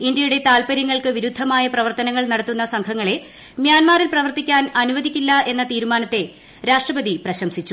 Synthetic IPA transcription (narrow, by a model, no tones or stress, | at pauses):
ind̪jɐjuɽe̞t̪aːlpɐɾjɐŋːɐɭkɨʋiɾud̪ʱːɐmaːjɐprɐʋɐrt̪ɐnɐŋːɐɭnɐɽɐt̪ːunːɐsɐŋkʰɐŋːɐɭe̞ | mjaːnmaːrilprɐʋɐrt̪ikʲːaːnɐnuʋɐðʱikʲːilːɐe̞nːɐt̪iːɾumaːnɐt̪ːe̞ | ɾaːʂʈrɐbɐðiprɐɕɐmsit͡ɕːu